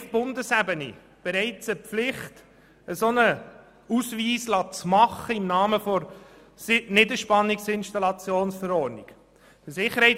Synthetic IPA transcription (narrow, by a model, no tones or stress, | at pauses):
fb̥ʊndəsæbənḭ | b̥ɛɾɛɪt͡səpflɪχt | əsonə | usviːslɑːt͡smɑχəɪmnɑːməfɔɾ | snɪdəʃpɑnːɪksɪnʃtɑlɑt͡sjoːnsfəɾɔɾnik | əsɪχːəɾhɛɪ